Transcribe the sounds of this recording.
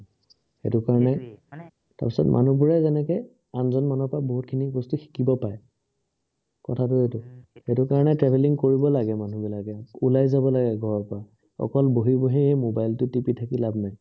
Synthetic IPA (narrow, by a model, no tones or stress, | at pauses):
xḛtʊkaɹɔnɛ | ta̰ɹpisɔtmʔa̰nubuɹɛzɛnɛkɔ | anzɔnmanɔpaboɦut̚kʰinibɔstuxi̥kibɔpaj | kɔtʰatʊetʊxetʊkaɹɔnɛtɹɛbʱeliŋkoɹibɔlaɡɛmanubilakɛulajzabɔlaɡɛɡʱɔɹɔpa | ɔ̰kɔlboɦiboɦiɛmobajltʊtipitʰakilabnaj